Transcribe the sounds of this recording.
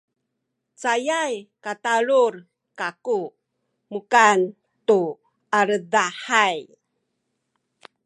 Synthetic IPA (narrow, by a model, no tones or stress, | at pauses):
t͡sajajkataɭur | kaku | mukan | tu | aɾədaħaj